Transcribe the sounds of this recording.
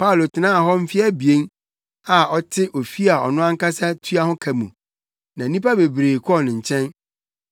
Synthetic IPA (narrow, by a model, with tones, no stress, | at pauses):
pʰa˦o˨lo˨tʰɪ˨nãː˦a˨ɦɔ˦m̩˦fi˦a˦bi˨e˦n | a˨ɔ˦tʰɪ˦ʔo˨fi˦a˨ɔ˨nʊ̃˦ã˦ŋ˦ka˦sa˦tʰu˦a˦hʊ̃˦kʰæ˨mṵ̃˨ | nã˨˦nĩ˦pa˦be˨bɾeː˨kʰɔ˦˨nɪ̃˨ɲ̩˨t͡ɕʰɛ̃˦n